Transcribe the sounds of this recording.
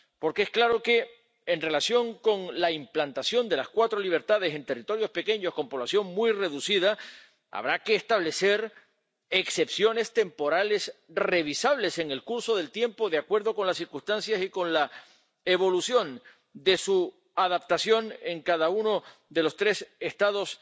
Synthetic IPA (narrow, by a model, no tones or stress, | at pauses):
po̞ɾkeesklaɾo̞ke̞ː | nre̞lasjo̞ŋko̞ŋlaimplant̪asjo̞nd̪e̞laskwat̪ɾo̞liβ̞e̞ɾt̪aðe̞se̞nt̪e̞rit̪o̞ɾjo̞spe̞ke̞ɲo̞sko̞mpo̞β̞lasjo̞ŋmwuijre̞ðusið̞a | a̰βɾake̞ːst̪aβle̞se̞ɾ | ekse̞psjo̞ne̞st̪e̞mpo̞ɾale̞sre̞β̞isaβ̞le̞se̞ŋe̞lkuɾso̞ðe̞lt̪je̞mpo̞ðeakwe̞ɾðo̞ko̞nlassiɾkust̪ansjasiko̞nla | eβ̞o̞lusjo̞n | d̪e̞su | aðap̚t̪asjo̞ŋe̞ŋkaðauno̞d̪e̞lo̞st̪ɾe̞se̞st̪aðo̞s